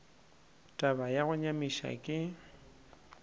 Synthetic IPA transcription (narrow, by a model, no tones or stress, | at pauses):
tʼabajaɣʊɲamiʃa̰kʼɪ